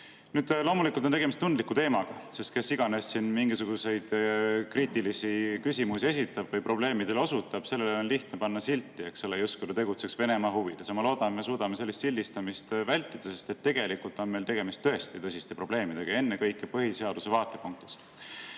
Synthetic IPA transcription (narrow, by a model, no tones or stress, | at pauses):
nyːd̪̥lo̞ːmulikult̪ot̪eɡ̥emist̪ːund̪likːˑut̪e̞ːmɑɡ̥ɑse̞st̪ke̞sːiɡ̥ɑne̞sːinmiŋɡisuɡ̥use̞jd̪̥kriːt̪ːˑilisikysʲimusie̞sit̪ːˑɑb̥vɤjpro̞ble̞ːmid̪e̞lo̞sut̪ːˑɑb̥se̞lːeleo̞nliht̪nepɑnːɑsilt̪ːˑie̞kse̞lːejust̪kujt̪ut̪e̞ɡut̪se̞ksve̞ne̞mɑːɦuvḭd̪̥esɑmɑlo̞ːd̪̥ɑnme̞s̬uːd̪ɑme̞selːist̪silʲːist̪ɑmist̪vælʲt̪ːˑid̪̥ɑse̞st̪e̞t̪ːe̞ɡ̥e̞likult̪ˑo̞nme̞jlt̪e̞ɡe̞mist̪ːɤe̞st̪it̪ɤsist̪epro̞b̥le̞ːmid̪̥e̞ɡ̥ɑe̞nːe̞kɤjkːˑepɤhise̞ɑd̪̥use̞vɑːt̪ːˑe̞puŋk̚t̪i̥st̪